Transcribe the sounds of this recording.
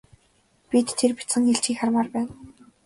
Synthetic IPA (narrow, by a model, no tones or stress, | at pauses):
pʲit̪ʰːerpi̥t͡sɘ̆ŋeɬt͡ɕxiːkχarmaːrpæːn